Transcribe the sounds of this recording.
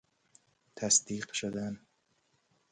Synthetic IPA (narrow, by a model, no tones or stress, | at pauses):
t̪ʰæsd̪iːqʃod̪æn